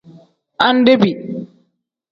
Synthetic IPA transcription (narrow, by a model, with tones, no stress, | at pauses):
ʔa˦nde˦bi˨